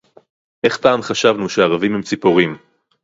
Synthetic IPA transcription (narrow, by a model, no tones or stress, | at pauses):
ʔe̞χpaːmχaʃavnuʃeaʁavimhemt͡sipoʁim